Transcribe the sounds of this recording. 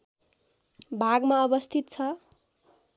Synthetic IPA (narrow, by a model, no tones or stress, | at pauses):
bʱaɡmaʌbʌst̪ʰit̪̚t͡sʰʌ